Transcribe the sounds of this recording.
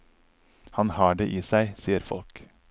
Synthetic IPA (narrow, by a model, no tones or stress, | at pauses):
hɑnhɑːɖeːʔiːsæɪsiːəɾfɔ̰lk